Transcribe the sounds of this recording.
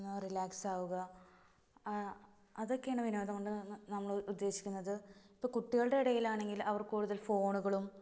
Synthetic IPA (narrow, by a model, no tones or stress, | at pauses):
nːrilaːksaːʋuɣɐ | ɐðo̞kːejaːɳɨʋinoːðɐmuɳɖɨnɐmːɐɭud̪ːe̞ːɕikʲːunːɐðɨipːo̞ːkuʈːiɣɐɭɨɽe̞iɽɐjilaːɳe̞ŋɡilɐʋɐrkuːɽuðɐlfo̞ːɳuɣɐɭum